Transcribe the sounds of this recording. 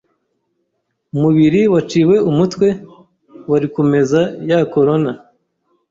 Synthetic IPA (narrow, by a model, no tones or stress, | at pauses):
umuβiɾiwat͡ʃiːwe̞umutwe̞ | waɾikome̞zajako̞ɾo̞na